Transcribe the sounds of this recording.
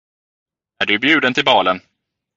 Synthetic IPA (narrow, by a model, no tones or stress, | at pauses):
æɖɵbjʉ̟ːd̪ənt̪ʰɪlbɑːlən